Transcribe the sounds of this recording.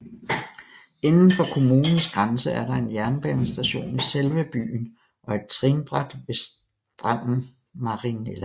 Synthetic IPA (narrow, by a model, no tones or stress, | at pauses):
enn̩fɒ̽kʰo̝muːnn̩sɡ̥ʁansəæɐɾɑ̈e̝njæɐnb̥ɛnsd̥æɕo̝̰ːniselʋəb̥y̰ːn | ʔɒ̽e̝d̥̚t͡sʰʁiːnb̥ʁad̥ʋe̝s | d̥ʁɑ̈n̰n̩ | mɑ̈ʁinelæ